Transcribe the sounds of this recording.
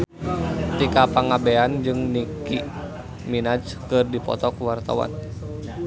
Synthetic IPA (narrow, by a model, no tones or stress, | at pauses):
t̪ikapaŋabeand͡ʒɨŋniki | minad͡ʒkɨrdipɔ̰t̪ɔkuwart̪a̰wa̰n